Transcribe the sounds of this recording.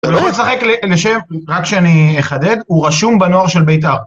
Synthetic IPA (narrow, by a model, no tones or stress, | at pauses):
ulomesaχekleleʃemʁakʃeanieχad̪e̞d̪uʁaʃumbeno̞aʁʃelbejtaʁ